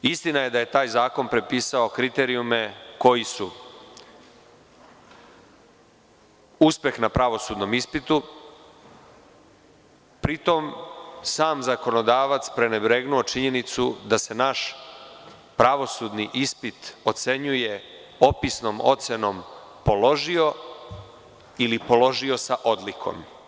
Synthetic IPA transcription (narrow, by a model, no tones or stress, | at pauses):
ist̪inaje̞d̪aje̞t̪aːjzaːko̞npɾe̞piːsaokɾit̪e̞ɾiumeko̞jisu | uspe̞xnapɾaʋo̞suːd̪no̞mispit̪u | pɾit̪o̞msaːmzako̞no̞d̪aːʋat̪spɾe̞nebɾe̞ɡnuo̞t͡ʃiɲe̞nit̪sud̪ase̞naʃ | pɾaʋo̞sud̪niʔispit̪o̞t̪se̞ɲuje̞ | o̞pisno̞mo̞̰t̪se̞no̞m | po̞lo̞ʒio̞ | ilipo̞lo̞ʒio̞saʔo̞d̪likʰo̰m